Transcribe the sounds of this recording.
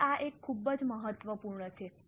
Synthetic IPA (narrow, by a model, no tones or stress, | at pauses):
aʔekʰːubəd͡ʒməɦət̪ʋəpuɾɳət͡ʃʰe